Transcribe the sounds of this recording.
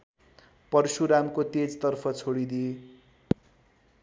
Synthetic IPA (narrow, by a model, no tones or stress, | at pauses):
pʌrsuɾamkot̪ed͡zt̪ʌrpʰʌt͡sʰoɽid̪i